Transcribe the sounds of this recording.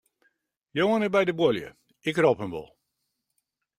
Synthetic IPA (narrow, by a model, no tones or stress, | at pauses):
joənəbɛjdəbwolˠjə̰ | ɪkrɔpəmʋɔ̰lˠ